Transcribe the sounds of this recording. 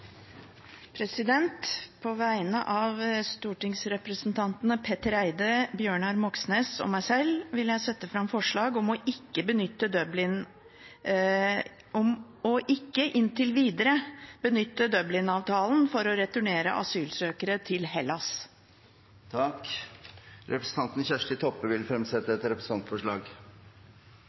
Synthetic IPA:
pʰɾɛsɪd̪ɛnt̪pʰɔʋæɪnə̰ʔɑʋst̪uːʈɪŋsɾɛpɾəsnt̪ʰɑnt̪nəpʰɛt̪əɾæɪd̪əbjøːɳɑɾmɔksneːsɔ̰mæɪsɛlːʋɪljæɪsɛt̪ːəfɾɑmfɔʂɭɑːɡɔmɔʔɪkːəbənʏt̪ːəd̪œblɪn | ɔm | ɔʔɪkːəʔɪnt̪ʰɪlʋiːd̪əɾəb̥ənʏt̪ːəd̪œblɪnɑːʋt̪ʰɑːln̩fɔɾɔɾɛt̪ʊɳeːɾə̰ʔɑ̰syːlsøːkəɾət̪ʰɪlhɛlːɑs | t̪ʰɑk | ɾɛpɾəsn̩ʰɑnt̪n̩çæʂʈɪt̪ʰɔpːəʋɪlfɾɛmsɛt̪ːəɛt̪ɾɛpɾəsɑnt̪fɔʂɭɑːɡ

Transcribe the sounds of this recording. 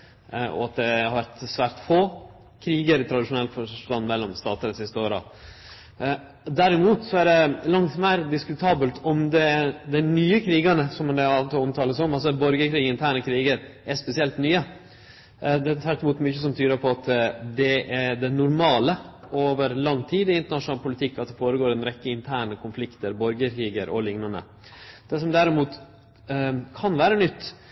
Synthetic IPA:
ɔ̰ɑt̪̚d̪ɛhɑɾʋæɾt̪sʋæːɾʈ̪foː | kʰɾiːɡəɾɪt̪ʰɾɑd̪ɪʂʊnɛlt̪fɔt̪ɑnmɛlːɔmst̪ɑːt̪əɾsɪst̪əoːɾɑ̰ | d̪æɾɪmuːt̪sɔæɖɛlɑŋt̪mæɪɾd̪ɪskʉt̪ʰɑːbəlt̪ʰɔmd̪ɛd̪ɛɪnyːəkʰɾiːɡɑnəsɔmːnd̪ɛɑlt̪ɔɔmt̪ʰɑːləsɔmɑls̬ɔbɔɾɡəkʰɾiːɡəɪnt̪ʰæːɳəkʰɾiːɡəɾɛspɛsɪɛlt̪nyːə | d̪ɛt̪ʰʋæʈːɪmuːt̪mʏçəsɔmt̪ʰyːɾəɾpʰɔɑt̪d̪ɛɛɖɛnʊɾmɑːlə | oːʋəɾlɑŋːt̪ʰiːd̪ɪɪnt̪əɳɑʂʊnɑlpʰʊlɪt̪ʰɪkːɑt̪̚d̪ɛfoːɾəɡoːɾɛnɾɛkːəɪnt̪ʰæːɳəkʰʊnflɪkt̪əɾbɔɾɡəkʰɾiːɡəɾʔɔ̰lɪŋnɑnə̰ | d̪̥ɛsɔmd̪æɾɪmuːt̪ | kʰɑnʋæːɾənʏt̪ː

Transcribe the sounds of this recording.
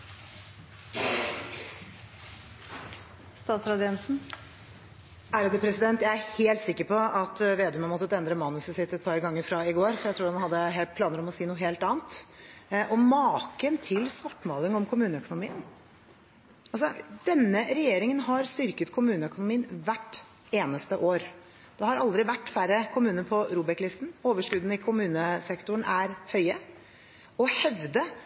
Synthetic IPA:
st̪ɑːt̪sɾɑd̪ɪɛnsn̩ | æɾɑd̪ɛːpʰɾɛsɪd̪ɛnt̪jæɪæɾheːlt̪sɪkːəɾpɔɑt̪ʋeːd̪ʉmənmɔt̪ːət̪əɛnd̪ɾəmɑnʉsəsɪt̪ːɛt̪̚pʰɑɾɡɑŋːəɾfɾɑɪɡoːɾfɔɾjæɪɾuːɖɛnhɑd̪ːəɦeːlt̪pʰlɑːnəɾɔmɔsiːnuːəɦeːlt̪ɑːnt̪ | ʔɔmɑːkənt̪ʰɪlsʋɑʈːmɑːlɪŋɔmkʰʊmʉːnəœkʊnʊmiːən | ʔɑlsɔd̪̥ɛnːəɾɛjeːɾɪŋənɦɑɾst̪ʏɾkət̪kʰʊmʉːnəœkʊnʊmiːənʋæʈː | eːnəst̪əʔoːɾ | d̪ɛhɑɾɑld̪ɾɪʋæʈːfæɾəkʰʊmʉːnəpʰɔɾuːbɛklɪst̪n̩oːʋəʂkʉd̪n̩ɪkʰʊmʉːnəsɛkt̪ʊɳ̩æɾhœʏə | ɔhɛʋd̪ə

